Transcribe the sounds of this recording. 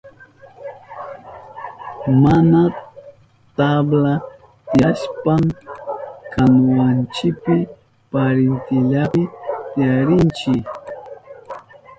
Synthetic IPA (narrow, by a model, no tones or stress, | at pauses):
mana | t̪abla | t̪ɪjaʃpam | kʰanwant͡ʃɪpɪ | paɾɪnt̪ɪʎapɪt̪ɪjaɾɪnt͡ʃɪ